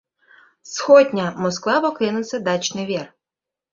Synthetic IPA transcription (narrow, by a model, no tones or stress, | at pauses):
sxɔdʲnʲɐmɔsklˠɑpɔkɪnʊsʲɐd̪ɑt͡ʃnɪʋʲir